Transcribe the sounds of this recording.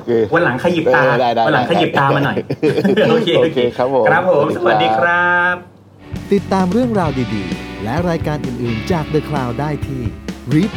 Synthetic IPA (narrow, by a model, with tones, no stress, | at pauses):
kʰeː˧o˨˧˦nla˩˦ŋkʰa˧ji˨˩p̪aː˧daː˥˩jaː˧˨˧nla˩˦ŋkʰa˧ji˨˩p̚t̪aː˧ma˧nɔ˨˩ | oː˧eː˧o˧kʰeː˧kʰɾa˦˥p̚ʰːo˨˩˦kʰɾa˦˥pʰːo˨˩˦msɐ˧wa˨˩diː˧kʰɾa˦˥p̚ | t̪i˨˩t̪ːaː˧mɾɯ˥˩əŋɾaː˧wdiː˧dḭː˧lɛ˦˥ʔɾaː˧jkaː˧nʔɯː˨˩nʔɯː˨˩nt͡ɕaː˨˩k̚dɯ˧˩kʰlaː˧wdaː˥˩jt̪ʰiː˥˩ɾiː˦˥p̚